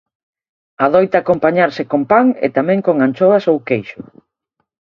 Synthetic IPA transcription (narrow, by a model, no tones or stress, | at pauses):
aðojt̪akompaɲaɾsɪkompaŋḛt̪amɛ̃ŋkoŋant͡ʃoasowkejʃʊ